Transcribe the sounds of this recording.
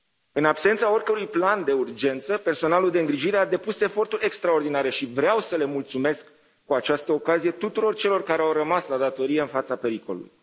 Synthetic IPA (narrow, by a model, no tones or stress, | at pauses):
ɨnapse̞nt̪sao̞rkəɾujpland̪e̞urd͡ʒe̞nt̪səpe̞rso̞naluld̪e̞ɨŋɡɾiʒiɾead̪e̞puse̞fo̞rt̪uɾʲe̞kst̪ɾao̞rd̪inaɾe̞ʃivɾeawsəle̞mult̪sume̞skː | uat͡ʃast̪əokazije̞t̪ut̪uɾo̞rt͡ʃe̞lo̞rkaɾe̞awrəmaslad̪at̪o̞ɾije̞ɨnfat̪sape̞ɾiko̞̰lṵṵj